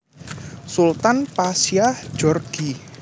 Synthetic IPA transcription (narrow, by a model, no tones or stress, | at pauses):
sult̪anpasjḁd͡ʒɔrɡ̥i